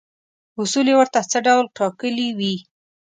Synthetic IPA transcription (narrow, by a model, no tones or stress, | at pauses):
ʊsulewəɾt̪at͡səɖawlʈɑkəliwi